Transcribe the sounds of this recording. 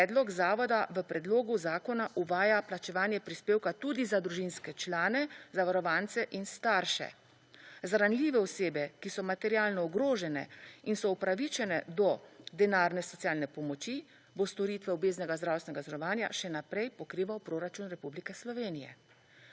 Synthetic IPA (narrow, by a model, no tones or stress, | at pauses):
pɛd̪lɔɡzaːʋɔd̪aʋəpɾɛd̪loːɡuzaːkɔnaʔuʋaːjaplat͡ʃɛʋaːnjɛpɾispeːwkat̪ud̪izad̪ɾuʒinskɛt͡ʃlaːnɛzaʋaɾɔʋaːnt̪sɛʔinst̪aɾʃɛ̰ | zɾanliːʋɛɔseːbɛkisɔmat̪ɛɾjaːlnɔːɡɾoːʒɛnɛ̰insɔupɾaʋit͡ʃɛnɛd̪ɔd̪ɛnaːɾnɛsɔt̪sijaːlnɛpɔmɔt͡ʃi | bost̪ɔɾit̪ʋɛɔbeːznɛɡazd̪ɾaːwst̪nɛɡazɾɔʋaːnja̰ʃɛnapɾɛjpɔkɾiːʋawpɾoɾat͡ʃunɾɛpublikɛslɔʋeːnijɛ̰